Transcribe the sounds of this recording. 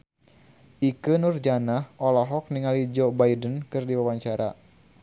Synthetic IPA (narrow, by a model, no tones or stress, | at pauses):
ʔikənurd͡ʒanahʔɔlɔɦɔk̚niŋalid͡ʒobaidənkɨrdiwawaɲt͡ʃaɾa̰